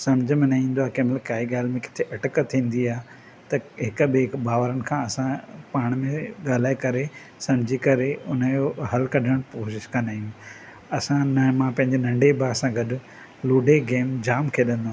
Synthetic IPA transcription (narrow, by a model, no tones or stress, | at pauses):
sɐmd͡ʑʱəmẽnɐĩːn̆d̪oaːkeːmlkaːiɡaːlmẽkɪ̥t̪ʰeʔɐʈkət̪ʰĩːn̆d̪iaːɦ | t̪ɐɦɪkbeːbaːʋəɾənɪ̆kʰãːɐsãpaːɽ̃mẽɠaːl̤aːekɐɾe | sɐmd͡ʑʱikɐɾeʊnəjoɦɐlkɐɖʱəɽ̃poːʃɪʃkɐ̃nd̪aːijũ | ɐsãnɐmãpɐ̃ɦɪ̃ɲd͡ʑenɐ̃ɳɖebasãɡɐɗʊ | loːɖʱeɡeːmd͡ʑaːmkʰeːɗɐ̃nd̪oaː